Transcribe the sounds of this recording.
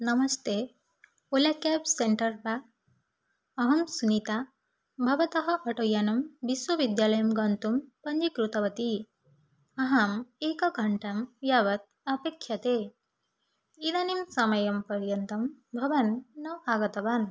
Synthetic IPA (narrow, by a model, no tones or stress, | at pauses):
nɐmɐst̪e | olakapseɳʈɐɾba | ɐɦɐmsunit̪a | bʱɐʋɐt̪ɐɦɐʔɐʈojanɐmbiswɐʋid̪jaːlɐjɐmɡɐnt̪umpɐɲd͡ʒikɾut̪ɐʋɐt̪i | ɐɦɐmekɐɡʱɐɳʈɐmjaʋɐt̪̚ɐpekʰjɐt̪e | id̪animsɐmɐjɐmpɐɾjɐnt̪ɐmbʱɐʋɐnːɐaːɡɐt̪ɐʋan